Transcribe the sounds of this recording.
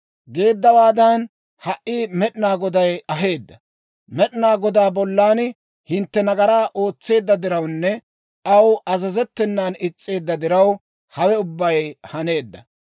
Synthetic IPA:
ɡe̞ːd̪ːɐwaːd̪ɐn | hɐʔiːmɛɗɪnaːɡɔd̪ɐjɐɦe̞ːd̪ːɐ | mɛɗɪnaːɡɔd̪aːbɔlːaːn | hɪnt̪ːɛnɐɡɐɾaːʔo̞ːt͡sːe̞ːd̪ːɐd̪ɪɾɐwnːɛ | ɐwʔɐzɐzɛt̪ːɛnːaːnɪt͡sʼːe̞ːd̪ːɐd̪ɪɾɐw | hɐwɛʊbːɐjhɐne̞ːd̪ːɐ

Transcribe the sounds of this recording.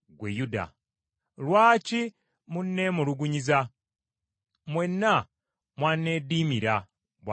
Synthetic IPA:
ɡwejuda̰ | lwaːci | munːemuɾuɡuɲiza | mwenːa | mwanːe̞diːmiɾa | bwa

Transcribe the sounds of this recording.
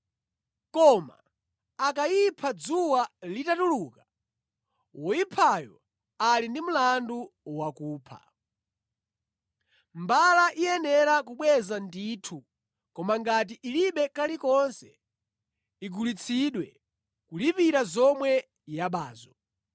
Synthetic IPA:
kɔma̰ː | kaipʰad͡zuwalitatuluːka | wɔjipʰajɔ̰ | alindim̩landuwakuːpʰa̰ | mbalaʔijɛnɛɾakuɓwɛzandiːtʰu | kɔmaŋɡat̬iʔiliɓɛkalikɔnsɛ | iɡulit͡sʰiɗwɛ | kulipiɾazɔmwɛ | jaɓaːzɔ

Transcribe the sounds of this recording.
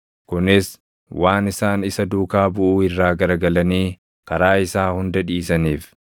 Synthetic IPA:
kʊnɪs | wʔaːnɪsaːnɪsɐd̪uːkaːbʊʔuːɪrːaːɡɐɾɐɡɐlɐniː | kɐɾaːɪsaːhʊnd̪ɐᶑiːsɐniːf

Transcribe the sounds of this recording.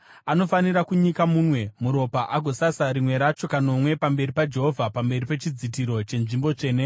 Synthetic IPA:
ano̞faniɾakuɲikamuːnwe̞muɾo̞paʔaɡʱo̞sasaɾimwe̞ɾat͡ʃo̞kano̞mwe̞pambe̞ɾipad͡ʒe̞ɦovʱapambe̞ripe̞t͡ʃid͡zit̬iɾo̞t͡ʃe̞nʐimbo̞t͡ʃe̞ːne

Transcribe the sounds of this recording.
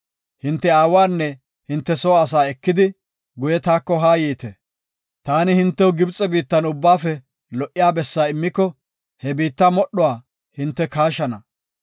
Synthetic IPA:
hɪnt̪ːɛaːwaːnːɛ | hɪnt̪ːɛsɔːɐs̬aːɛkːɪd̪ɪ | ɡʊjɛt̪aːkːɔɦaːjiːt̪ɛ | t̪aːnɪhɪnt̪ːɛwɡɪbt͡sʼɛbiːt̪ːɐnʊbːaːfɛ | lɔʔɪjaːbɛsːaːɪmːɪkːɔ | hɛbiːt̪ːamɔɗːɔwaː | hɪnt̪ːɛkaːʃɐnɐ

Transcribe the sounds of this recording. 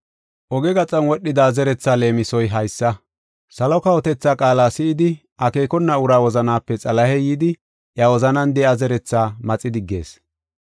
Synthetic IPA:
ʔɔɡɛɡɐt͡sʼɐnwɔɗːɪd̪azɛɾɛt͡sːaːle̞ːmɪsɔjɦɐjsːɐ | sɐlɔkɐwɔt̪ɛt͡sːaːkʼaːlaːsɪɪd̪ɪ | ɐke̞ːkɔnːɐʊɾaːwɔzɐnaːpːɛt͡sʼɐlɐhɛjiːd̪ɪ | ʔjɐwɔzɐnɐnd̪ɛɐzɛɾɛt͡sːaːmɐt͡sʼːɪd̪ɪɡːe̞̰ːs

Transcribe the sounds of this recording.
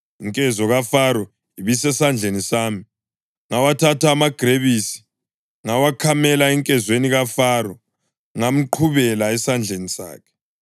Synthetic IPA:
iŋkʼɛzɔɣafaɾɔ | iβisɛsand͡ɮʱenisaːmi | ŋawatʰataːmaɡ̥ʱreβisi̥ | ŋawakʰamɛlaɛŋkʼɛzweniɣafaɾɔ | ŋam̩ǃʰuβɛlaɛsand͡ɮʱenisa̰ːkʰɛ̥

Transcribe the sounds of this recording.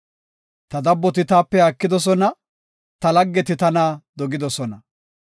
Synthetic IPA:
t̪ɐd̪ɐbːɔt̪ɪt̪aːpːɛakːɪd̪ɔs̬ɔnɐ | t̪ɐlɐɡːɛt̪ɪt̪ɐnaːd̪ɔɡɪd̪ɔsɔnɐ

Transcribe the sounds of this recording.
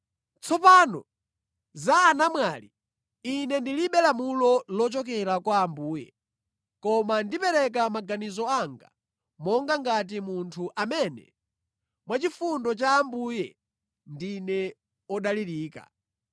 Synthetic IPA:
t͡sʰɔpaːnɔ | zaːnamwali | inɛndiliɓɛlamulɔlɔt͡ʃɔk̬ɛɾakwaːmbuːjɛ̰ | kɔmandipɛɾɛk̬amaɡanizɔaŋɡa̰ | mɔŋɡaŋɡat̬imuntʰuʔamɛnɛ̰ | mwat͡ʃifundɔt͡ʃaːmbujɛ | ndinɛ | ɔɗaliɾiːka̰

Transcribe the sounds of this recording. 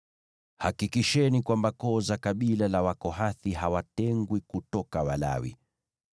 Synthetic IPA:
hakikiʃɛnikwambakɔzakaɓilalawakɔɦaθiɦawatɛŋɡwikutɔkawala̰wḭ

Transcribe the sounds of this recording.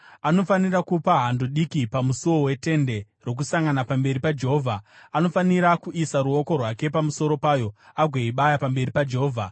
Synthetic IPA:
ano̞fanirakupaɦandoɗikipamusuwowe̞te̞nde̞ | ro̞k̬usaŋɡanapambe̞ɾipad͡ʒe̞ɦoːvʱaano̞faniɾakuʔisaɾuo̞ko̞rwake̞pamuso̞ɾo̞paːjo̞aɡʱweiɓajapambe̞ɾipad͡ʒeɦoːvʱa

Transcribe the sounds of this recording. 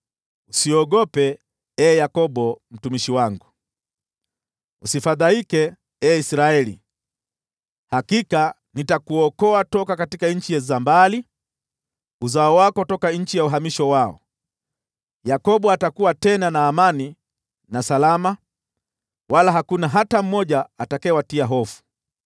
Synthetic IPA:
usiɔɠɔpɛ | ɛjakɔɓɔm̩tumiʃiwaŋɡu | usifaðaikɛ | ɛisɾaɛlḭ | hakika | nitakuɔkɔatɔkakatikaɲ̩t͡ʃijɛzambali | uzaɔwakɔtɔkaɲ̩t͡ʃijauɦamiʃɔwaɔ̰ | jakɔɓɔatakuwatɛnanaːmani | nasalama | walaɦakunaɦatam̩mɔʄaːtakɛwatiaɦɔfu̥

